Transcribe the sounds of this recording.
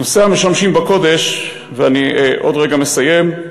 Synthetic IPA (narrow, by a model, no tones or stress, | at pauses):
noseame̞ʃamʃimbako̞de̞ʃ | veaniʔo̞dʁeɡame̞saje̞m